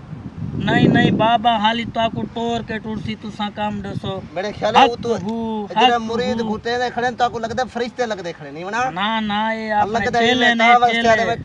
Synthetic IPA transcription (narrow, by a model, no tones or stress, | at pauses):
nəːĩːnəːĩːbaːbaːɦaːliːt̪oaːkoːʈoːɾkeːʈʊɽsiːt̪ʊsãːkaːmɖesoːmeːɽeːkʰjaːlːuːt̪uːɦuːeːmʊɾiːd̪kũːʈ̪eːleːkʰəɽeːnt̪oaːkũːləɡd̪eːpʰəɾɪʃt̪ẽːləɡd̪ẽːkʰəɽeːniːʋənaːnaːnaːeːaːləɡd̪eːleːnːʋəeːae